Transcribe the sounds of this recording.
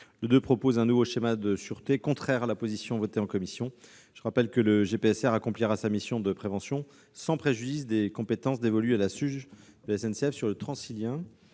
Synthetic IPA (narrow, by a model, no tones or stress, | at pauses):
ləd̪øpχɔpozɛ̃nuvoʃemad̪əsyʁt̪ekɔ̃t̪χɛʁalapozisjɔ̃vɔt̪eɑ̃kɔmisjɔ̃ | ʒ̥əʁapɛlkələʒepeɛsɛʁakɔ̃pliʁasamisjɔ̃d̪əpχevɑ̃sjɔ̃ | sɑ̃pχeʒyd̪is̬d̪ekɔ̃pet̪ɑ̃sd̪evɔlyalasyʒ | d̪əlɛsɛnseɛfsyʁlət̪χɑ̃siljɛ̃